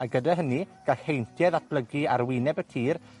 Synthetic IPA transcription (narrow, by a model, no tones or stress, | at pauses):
aɡədaɦəniɡ̥aɬhejntʰjɛðat̚ʰb̥ləɡiaɾwɪːnɛbətʰiːr